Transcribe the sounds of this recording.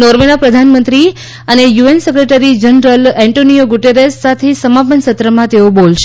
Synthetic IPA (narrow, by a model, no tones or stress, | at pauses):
nɔɾʋenapɾəd̪ʱanmənt̪ɾi | ənejuensəkɾeʈəɾid͡ʒənɾəlɛ̃ɳʈonijoɡuʈeɾesːat̪ʰesəmapənsət̪ɾəmãt̪eobolʃe